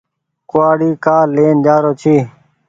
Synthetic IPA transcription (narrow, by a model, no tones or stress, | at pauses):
kʊaːɽiːkaːleːnd͡ʒaːɾoːt͡ʃʰiː